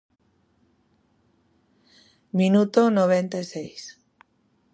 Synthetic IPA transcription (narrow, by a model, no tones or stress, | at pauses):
mĩnut̪onoβ̞ent̪aesejs